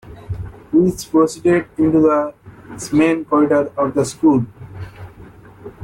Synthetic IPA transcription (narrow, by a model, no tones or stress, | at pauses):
hispɾosiɖeɖɪ̃ɳʈud̪əsmẽːnkɔɾɪɖəɾɔʋd̪əskuːl